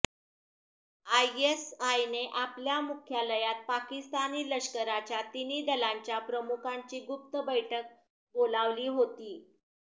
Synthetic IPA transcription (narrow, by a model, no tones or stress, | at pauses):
ajesajneʔapljamukʰjaləjat̪̚pakist̪aniːləɕkəɾat͡ɕjat̪iniːd̪əlaɲt͡ɕjapɾəmukʰaɲt͡ɕiːɡup̚t̪əbəjʈʰək̚ | bolaʋliːɦot̪iː